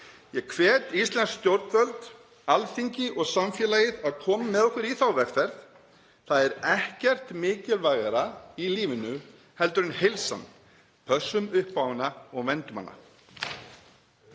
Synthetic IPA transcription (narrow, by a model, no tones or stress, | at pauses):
jɛkʰvɛːt̪ist̪lɛnskst̪jowɾt̪vœlt̪ | alθiɲcɪʔɔɣsamfjɛːlajɪðaðkʰɔːmamɛðɔhkvɪɾiθawvɛkfɛɾθ | θaðɛɾɛhcɛr̥t̪mɪːcɪlvajɣaɾailiːvɪnʏ | hɛlt̪ʏɾʏnhejlsa̰n | pʰœsːʏmʏhpːaːwɪnaɔɣvɛnt̪ʏma̰nːa̰